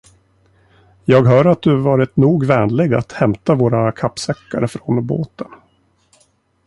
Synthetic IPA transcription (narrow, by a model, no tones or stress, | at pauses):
jɑːɡɦœːɾat̪̚d̪ɵvɑːɾɪt̪nuːɡvɛːnlɪɡa̰t̪hɛmt̪avoːɾakʰapːsɛkːa̰ɾəfɾonbo̰ːt̪ən